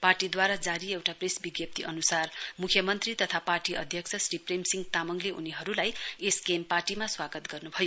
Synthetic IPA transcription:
parʈid̪waɾad͡zaɾiewʈapresbiɡjʌp̚t̪iʔʌnusarmukʰjʌmʌnt̪rit̪ʌt̪ʰaparʈiʌ̰d̪ʱjʌkt͡sʰʌsripremsiŋɡt̪amʌŋleṵniɦʌɾulajeskemparʈimaswaɡʌt̪ɡʌrnubʱʌjo

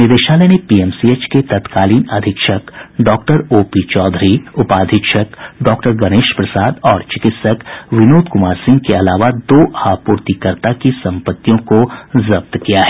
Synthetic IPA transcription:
nɪd̪eːʃaːlɛnepiɛːmsieːt͡ʃket̪ɐt̪kaːliːnɐd̪ʱɪkʃəkɖɔːkʈəɾoːpit͡ʃɔːd̪ʱɾiʊpaːd̪ʱɪkʃəkɖɔːkʈəɾɡɐneːʃpɾɐsaːd̪ɔːɾt͡ʃɪkɪt̪səkʋɪnoːd̪kʊmaːɾsɪ̃ŋɡ̚keɐlaːʋad̪oːʔaːpuːɾt̪ikəɾt̪akisɐ̃mpət̪ːijõkozɐb̚t̪kijaɦɛː

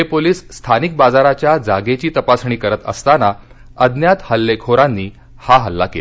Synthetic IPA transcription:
ɦepoliːsːt̪ʰanik̚bad͡zaɾat͡ɕjad͡zaɡet͡ɕiːt̪əpasɳiːkəɾət̪ə̰st̪ana | əd̪njat̪həlːekʰoɾanːiː | haɦəlːakḛla

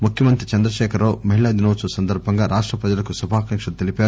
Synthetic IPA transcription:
mukʰjɐmɐnt̪ɾit͡ʃɐnd̪ɾɐʃɛːkʰɐɾoːmɐɦiɭaːd̪inoːsusɐnd̪ɐɾbʱɐŋɡaːɾaːʂʈɾɐpɾɐd͡ʒɐlɐkusubʱaːkɐŋkʂɐt̪elipaːɾu

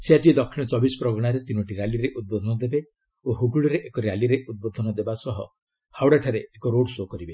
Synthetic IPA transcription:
sead͡ʒid̪ɔkʰːiɽ̃ɔt͡ʃɔbisɔ̥pɾɔɡɔɽ̃aɾet̪inɔʈiɾaliɾeʔud̪̚bod̪ʱɔnɔd̪ebe | oɦuɡuɭɔɾeʔekɔɾjaliɾeʔud̪̚bod̪ʱɔnɔd̪ebasɔɦɔ̰ | hawɽaʈʰaɾeːkɔɾoɖsokɔɾibe

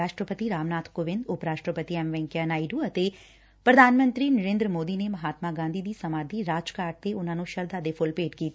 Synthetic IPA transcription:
aːʃʈɾəpət̪iɾaːmnaːt̪ʰkoʋɪ̃nd̪ʊpɾaːʃʈɾəpət̪iɛmʋɛ̃ːŋkjanaːiɖũːɐt̪e | pɾəd̪ʱaːnmə̃nt̪ɾiːnəɾẽːnd̪ɾəmoːd̪iːnemɐɦaːt̪maːɡãːnd̪ʱiːd̪iːsəmaːd̪iːɾaːd͡ʒkaːʈ̚t̪eʊnãːnũːʃəɾd̪aːd̪epʰʊlpeːʈkiːt̪ː

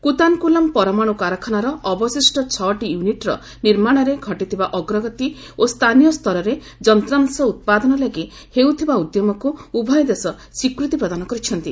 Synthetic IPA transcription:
kut̪ankulɔmpɔɾɔmaɽ̃ukaɾɔkʰɔnaɾɔːbɔsisʈɔt͡ʃʰɔʈijuniʈɾɔ̰ | niɾmaɽ̃ɔɾeɡʱɔʈit̪ʰibaʔɔɡɾɔɡɔt̪i | ost̪ʰanijɔst̪ʰɔɾɔɾe | d͡ʒɔnt̪ɾansɔut̪̚pad̪ɔnɔlaɡi | hewt̪ʰibaud̪jɔmɔkuubʱɔjɔd̪esɔswikɾut̪ipɾɔd̪anɔkɔɾit͡ʃʰɔnt̪i

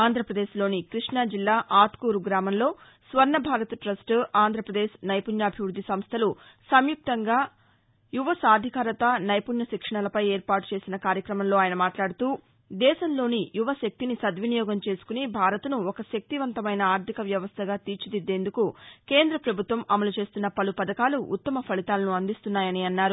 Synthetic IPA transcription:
aːnd̪ʱɾɐpɾɐd̪eːʃlo̞ːnikɾiʂɳad͡ʒilːaːʔaːt̪kuːɾuɡɾaːmɐmlo̞ː | sʋɐɾnɐbʱaːɾɐt̪ʈɾɐsʈaːnd̪ʱɾɐpɾɐd̪eːʃnɐjpunjɐːbʱiʋɾud̪ʱːisɐmst̪ʰɐlusɐmjuk̚t̪ɐŋɡaː | juʋɐsaːd̪ʱikaːɾɐt̪ɐnɐjpunjɐʃikʂɐɳɐlɐpɐjeːɾpaːʈu̥t͡ʃe̞ːsinɐkaːɾjɐkɾɐmɐmlo̞ːaːjɐnɐmaːʈlaːɽut̪uː | d̪ɛːʃɐmlo̞ːnijuʋɐʃɐk̚t̪inisɐd̪ʋinijɔːɡɐmt͡ʃe̞ːsu̥kunibʱaːɾɐt̪unuɔkɐʃɐk̚t̪iʋɐnt̪ɐmɐjnɐaːɾt̪ʰikɐʋjɐʋɐst̪ʰɐɡaːt̪iːɾt͡ʃid̪id̪ːe̞ːnd̪ukukeːnd̪ɾɐpɾɐbʱut̪ʋɐmʔɐmɐlut͡ʃe̞ːst̪unːɐpɐlupɐd̪ɐkaːluʔṵt̪ːɐmɐpʰɐɭit̪aːlɐnuɐnd̪ist̪unːaːjɐniɐnːaːɾu

